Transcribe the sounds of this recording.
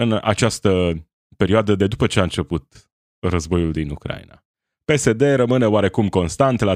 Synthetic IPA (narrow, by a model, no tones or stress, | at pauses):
ɨna̰t͡ʃast̪ə | pe̞ɾioad̪əd̪e̞d̪upət͡ʃe̞aɨnt͡ʃe̞put̪ | rəzbo̞juld̪inukɾa̰ḭna̰ | pe̞se̞d̪e̞ɾəmɨne̞oaɾe̞kumko̞nst̪ant̪la